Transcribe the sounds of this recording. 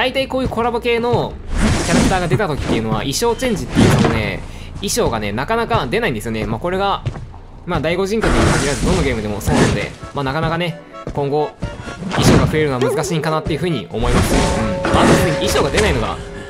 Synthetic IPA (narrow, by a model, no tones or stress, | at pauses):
d̪̥ait̪aiko̞ːjɯ̟ːkʰo̞ɾabɯ̟ke̞ːno̞ | kʲaɾakɯ̟t̪aːɡad̪e̞t̪at̪o̞kʲi̥t̪ːe̞iɯ̟no̞βa̰ʔiɕo̞ːt͡ɕẽ̞ɲ̟d͡ʑit̪ːejɯ̟ːsonone̞̰ | iɕo̞ːɡane̞nakanakad̪e̞naĩnd̪esɨjo̞ne̞maːko̞ɾe̞ɡa | maːd̪aiɡo̞ʑĩŋkot̪ekaɡʲiɾazɨd̪o̞nːo̞ɡʲe̞ːmɯ̟d̪e̞moso̞ːnano̞d̪e̞̰maːnakanakane̞ | kõ̞ŋɡo̞ | iɕo̞ːɡaɸɯ̟e̞ɾɯoamɯ̟zɨkaɕiːŋkanat̪ːe̞iɯ̟ɸɯ̟ːɲ̟ḭo̞mo̞imasɨ̥ɯ̟̃ɴmaːt̪oeɯɲiiɕo̞ːɡad̪e̞naino̞ɡa̰